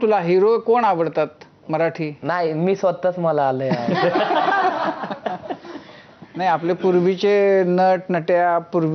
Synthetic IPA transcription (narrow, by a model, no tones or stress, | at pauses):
t̪ulaɦiɾokoɳaʋəɽt̪at̪ | məɾaʈʰiːnaimiːsʋət̪ət͡sməlaːləa | najaplepuɾʋit͡ɕenəʈnəʈjapuɾʋ